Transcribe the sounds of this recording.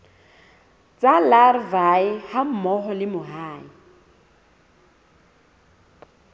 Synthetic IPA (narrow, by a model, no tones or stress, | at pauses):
t͡sʼalarvaɪham̩mɔɦɔlɪmʊɦaːi